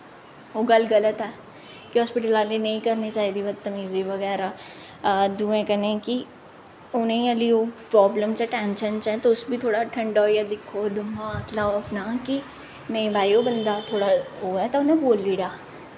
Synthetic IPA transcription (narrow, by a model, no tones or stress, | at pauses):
ɦoɡɐlɡɐlət̪ɦɛː | kiɦɔːspɪʈəlaːlinɐĩkɐɾnit͡ʃaːɦid̪iʋɐt̪ːɐmiːziʋɐɣɛːɾa | d̪uːẽkɐnẽki | ʊnẽĩɐliopɾɔːbləmt͡ʃeʈɛ̃ːnʃənt͡ʃɛt̪oʊsbʱit̪ʰoːɽaʈʰɐ̃ɳɖɔːjad̪ɪkʰːod̪ʱɐmãkʰlaːoɐpnaki | nɐĩbʱaːiobɐnd̪at̪ʰoːɽaɦoɛt̪aʊnẽboːlːiɽaː